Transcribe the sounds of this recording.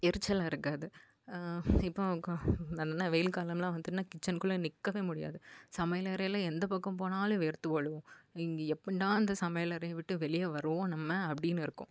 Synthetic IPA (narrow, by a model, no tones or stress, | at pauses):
ɛɾɯt͡ʃːɐlãːɪɾɯkːaːðɯ | ɪpːõ | ɐðɐnːaːʋɛjɪlkaːlɐmlãːʋɐnd̪ɯʈɯnaːkɪt͡ʃːɐnkɯɭːɐnɪkːɐʋeːmʊɽɪja̰ːðɯsɐmɐjɐlɐɾɐjlɐɛnd̪ɐpɐkːɐ̃mp̬oːnaːlʊ̃ʋeːɾt̪ːɯʋɐɭɯ̃ɪŋɡeɛpːɐɳɪʈ̪ãːɐnd̪ɐsɐmɐjɐlɐɾɐjɐʋɪʈːɯʋɛɭɪjɐʋɐɾɯʋõnɐmːɐɐpːɐɽɪnːɯɪɾɯkːʊ̰̃